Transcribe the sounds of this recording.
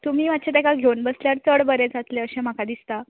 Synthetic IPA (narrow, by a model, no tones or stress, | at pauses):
t̪umiːmat̪̚ːt͡ɕat̪akaɡʱewnbəsljaɾt͡səɽbəɾẽd͡zat̪leəɕẽm̤akad̪ist̪a